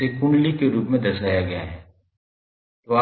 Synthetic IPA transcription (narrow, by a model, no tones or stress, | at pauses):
ekʊɳɖlikeɾuːpmẽd̪ɐsaːjaɡɐja̰ɦɛː | t̪oa